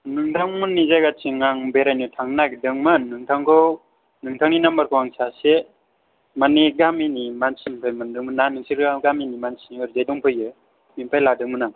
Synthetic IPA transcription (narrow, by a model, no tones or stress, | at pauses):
nɯŋtʰaŋmunːizajɡat͡ʃʰiŋaŋbeɾajnutʰaŋnakdɯŋmɯnɯŋtʰaŋkʰɯw | nɯŋtʰaŋninambaɾkʰɯwaŋsase | maniɡaminimansinpʰajmɯndɯŋmɯnanɯŋsiɾɡaminimansinɯɾzajdɔŋpʰɯjɯ | mimpʰajladɯŋmɯnaŋ